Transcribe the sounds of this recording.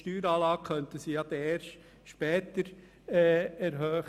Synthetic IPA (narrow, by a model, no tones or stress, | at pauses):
ʃtyːɾɑːlɑːɡ̚kʰœntəsijɑd̪ɛeːɾʃ | ʃpɛːt̪əɾː | ɛɾɦœː